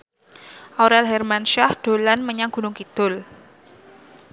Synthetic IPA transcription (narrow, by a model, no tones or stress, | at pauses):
ʔoɾɛlɦɛrmanʃahd̪̥o̤lanməɲaŋɡ̥ṳnʊŋkid̪̥ʊ̤l